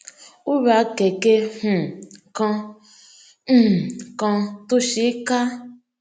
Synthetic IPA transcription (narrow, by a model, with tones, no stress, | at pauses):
u˦ɾa˨˦ke˨ke˦hũ˨kã˧˦˨ | kã˧to˦ʃi˦ka˦